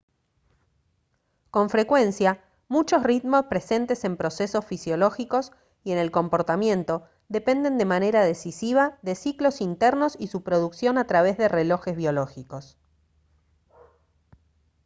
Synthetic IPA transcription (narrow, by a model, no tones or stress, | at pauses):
ko̞ɱfɾe̞kwe̞nsja | mut͡ʃo̞srit̪mo̞spɾese̞nt̪e̞se̞mpɾo̞se̞so̞sfisjo̞lo̞xiko̞s | ie̞ne̞lko̞mpo̞ɾt̪amjẽ̞nt̪o̞ | ðe̞pe̞nd̪end̪e̞mane̞ɾað̞e̞sisiβ̞aðe̞siklo̞sint̪eɾno̞sisupɾo̞ðuksjo̞nat̪ɾaβ̞e̞zðe̞re̞lo̞xezβjo̞loxiko̞s